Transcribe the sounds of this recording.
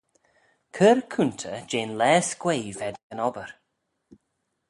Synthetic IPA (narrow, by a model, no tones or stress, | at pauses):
kʰəɾkʰunt̪ʰəd͡ʒeːnlɛːskweːvɛd̪ɡ̥ənɔbəɾ